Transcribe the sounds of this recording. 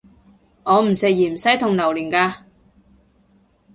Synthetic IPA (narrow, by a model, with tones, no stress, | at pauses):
ŋɔː˨˧m̩˨˩sɪ˨k̚jiː˨˩m̩˨˩sɐ˨˥jt̪ʰʊ˨ŋlɐ˨˩wliː˨˩nkaː˧